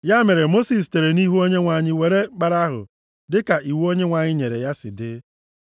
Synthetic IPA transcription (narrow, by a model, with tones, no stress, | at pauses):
ja˦me˨ɾe˨mo˦si˨s̬te˨ɾe˨ni˦ɦu˦o˦ɲe˦ŋʷa˨ɲɪ˦we˨ɾe˦k͡pa˨ɾa˦ɦʊ̰˨ | dɪ˦ka˨i˨wu˦o˦ɲe˦ŋʷa˨ɲɪ˦ɲe˨ɾe˨ja˦sɪ̰˨dɪ˦